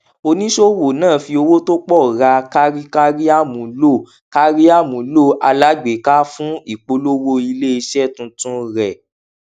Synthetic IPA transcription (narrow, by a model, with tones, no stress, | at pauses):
o˧nĩ˦ʃo˦wo˨nãː˦˨fi˧o˧wo˦to˦k͡pɔ˦˨ɾa˧ka˦ɾi˦ka˦ɾi˦a˦mũ˨˦lo˦˨ | ka˦ɾi˦a˦˨mũ˨˦lo˦˨ʔa˧la˨˦ɡ͡be˨˦ka˦fũ˦i˦˨k͡po˧lo˦wo˧i˧le˦i˧ʃɛ˦tũ˧˦tũ˦ɾɛ˨